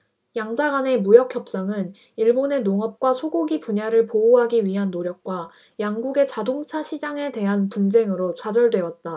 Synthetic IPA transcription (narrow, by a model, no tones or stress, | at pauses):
jaŋd͡ʑaɡane̞mujʌk̚ʰçjʌp̚s͈aŋɯn | iɭbone̞noŋʌp̚k͈wasʰoɡoɡipuɲaɾɯɭpouɦaɡiɥiɦanːoɾjʌk̚k͈wa | jaŋɡuɡe̞t͡ɕadoŋt͡ɕʰaɕʰid͡ʑaŋe̞te̞ɦanpund͡ʑe̞ŋɯɾot͡ɕad͡ʑʌɭdwe̞ʌt̚t͈a